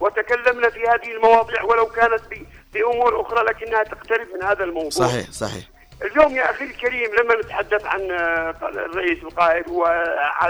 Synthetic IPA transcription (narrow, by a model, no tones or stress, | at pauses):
wət̪akælːəmnæfihæːd̪əhəlmɑwɑd̪ˤiːʕwələwkæːnət̪̚bi | biʔʊmuːɾʔʊxɾˤɑlækɪnːhæt̪əqt̪aɾəbmənhæːd̪ælmɑwdsˤuɑḭsˤɑħḭ | ʔəljuːmjaʔæxiːɾəlkæɾiːmlamːænət̪ħad̪ːæθʕa̰n | rˤːɑʔisəlqɑːʔəd̪wəʕa